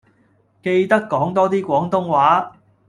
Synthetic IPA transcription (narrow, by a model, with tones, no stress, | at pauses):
ke˧jt̪ɐ˥kːɔː˨˥ŋt̪ɔː˥t̪iː˥kʷɔː˨˥ŋt̪ʊ˥ŋwaː˨˥